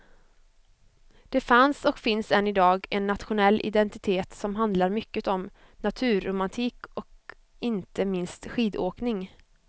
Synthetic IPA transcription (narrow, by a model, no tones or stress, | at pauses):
d̪̥ɛfansɔkfɪnsɛnːɪd̪ɑːɡɛnːat̪ɧʊnɛlːʔɪ̰d̪ɛnt̪ɪt̪ʰeːt̪sɔmɦand̪laɾmʏkːət̪ɔm | nat̪ʰʉ̟ːɾʊmant̪ʰiːkɔk | ɪnt̪əmɪnst̪ɧiːd̪oːknɪŋ